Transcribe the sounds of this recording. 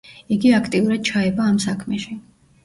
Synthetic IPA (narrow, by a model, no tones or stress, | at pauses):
iɡiakʰt̪ʼiuɾad̪̥̚t͡ʃʰaɛbaːmsakʰmɛʃi